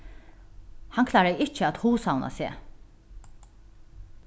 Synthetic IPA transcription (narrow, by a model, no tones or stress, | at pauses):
haŋkʰlaːɾajɪt͡ʃəæːt̪huːsawna̰sḛː